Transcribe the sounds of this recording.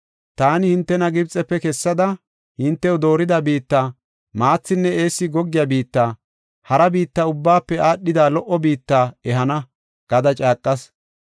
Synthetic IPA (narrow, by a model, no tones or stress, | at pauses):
t̪aːnɪhɪnt̪ːɛnɐɡɪbt͡sʼɛpːɛkɛsːɐd̪ɐ | hɪnt̪ːɛʊd̪o̞ːɾɪd̪ɐbiːt̪ːaː | maːt͡sːɪnːɛe̞ːsːɪɡɔɡːɪjaːbiːt̪ːaː | hɐɾɐbiːt̪ːɐʊbːaːpːɛaːɗːɪd̪aːlɔʔɔbiːt̪ːaːɛɦɐnɐ | ɡ̥ɐd̪ɐt͡ʃʼaːkʼːɐs